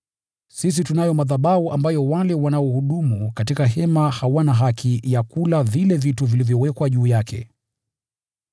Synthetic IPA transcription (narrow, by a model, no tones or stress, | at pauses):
sis̬itunajɔmaðaɓauʔambajɔwalɛwanaɔhuɗumukatikaɦɛmahawanaɦakʰijakulavilɛvituvilivjɔwɛkwaʄuːjakʰɛ̰